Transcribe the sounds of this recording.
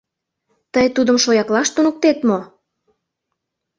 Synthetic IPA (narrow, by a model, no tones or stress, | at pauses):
t̪əjt̪ud̪ə̆mʃojɑklɑʃt̪unə̆k̚t̪et̪mo